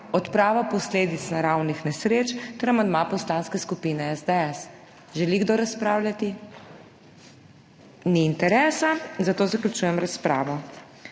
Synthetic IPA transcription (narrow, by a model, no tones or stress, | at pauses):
ɔt̪pɾaːʋapɔsleːd̪it̪snaɾawnixnɛsɾeːt͡ʃt̪ɛɾamand̪mapɔslaːnskɛskupiːnɛɛzd̪ɛɛs | ʒɛliɡd̪oːɾaspɾaːwlʲjat̪i | niːnt̪ɛɾɛːsazat̪oːzaklʲut͡ʃuːjɛmɾaspɾaːʋɔ